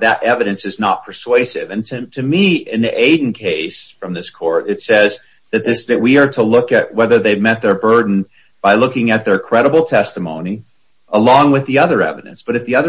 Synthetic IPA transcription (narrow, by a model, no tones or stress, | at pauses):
ðɨɾʔɛvɨɾɨ̃nsɨznət̚pʰə˞sweɪsɪvɨ̃ntʰɨtʰɨmiɪ̃nðiʔeɪdⁿn̩kʰeɪsfɹʌ̃mðɪskʰɔɹɾɨtsɛz | ðɨt̪̚ðɪsðɨʔ̚wiə˞ɾəlʊkɨʔ̚wɛðə˞ðeɪmɛt̪̚ðə˞bɜ˞dⁿn̩ | b̥aɪlʊkɪ̃ŋɨt̪̚ðə˞kʰɹ̥ɛɾəbl̩ˠtʰɛstəmõʊ̃ni | ʔəlɔ̃ŋwɨðiʌðə˞ɛ̰vɨɾɨ̰̃nsb̥ʌɾɨfðiʌðə